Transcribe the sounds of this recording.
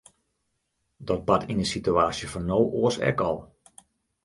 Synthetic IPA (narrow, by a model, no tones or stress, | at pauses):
dɔt̚batʰinəsityaːsjəfɔnːowʔoəsɛ̰kɔlˠ